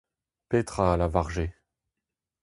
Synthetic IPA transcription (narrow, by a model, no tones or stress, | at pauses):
pet̪χaːlavaʁʒe